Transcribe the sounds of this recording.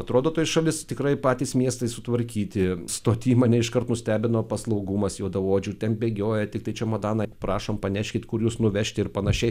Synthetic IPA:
ɐt̪ɾoːd̪oːt̪oːjsʃɐlʲɪst̪ʲɪkɾɐɪpɑːt̪ʲiːsmʲiɛst̪ɐɪsʊt̪ʋɐɾʲkʲiːt̪ʲɪst̪oːt̪ʲiːmɐnʲɛɪʃkɐɾrt̪nʊsʲt̪ʲæːbʲɪnoːpɐslˠɐʊɡuːmɐsjɛːd̪ɐʋoːd͡ʒʲuːt̪ʲɛnbʲeːɡʲoːjɛt̪ʲɪk̚t̪ɐɪt͡ʃʲɛmɐd̪ɑːnɑpɾɑːʃompɐnʲɛʃʲkʲɪt̪kʊɾjuːsnʊʋʲɛʃʲt̪ʲɪɪɾpɐnɐʃʲɛɪ

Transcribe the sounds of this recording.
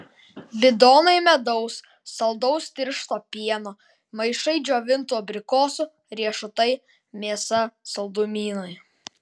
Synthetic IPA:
bʲɪd̪oːnɐɪmʲɛd̪ɔʊsː | ɐlˠd̪ɒʊst̪ʲɪɾʃt̪oːpʲiɛno | mɐɪʃɐɪd͡ʒʲoːʋʲɪnt̪uɔbʲɾʲɪkoːsʊ | ɾʲiɛʃʊt̪ɐɪ | mʲiɛsɐsɐlˠd̪umʲiːnoj

